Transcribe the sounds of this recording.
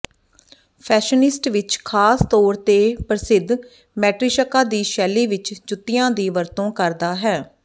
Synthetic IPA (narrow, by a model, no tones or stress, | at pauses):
pʰɛːʃənɪsʈʋɪt͡ʃkʰaːst̪ɔːɾt̪eːpəɾəsɪd̪ʱ | mɛːʈɾɪʃəkaːd̪iːʃɛːliːʋɪt͡ʃd͡ʒʊt̪ːɪjãːd̪iːʋəɾt̪õːkəɾd̪aːɦɛː